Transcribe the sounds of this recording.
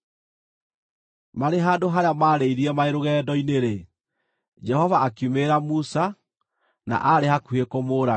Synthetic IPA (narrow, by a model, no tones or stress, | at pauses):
maɾeɦaːndoɦaɾeamaːɾeiɾiɛmaeɾoɣɛːdɔineɾe | d͡ʒɛhɔvaːkjumeɾamusa | na̰ʔaɾehakuekomoːɾa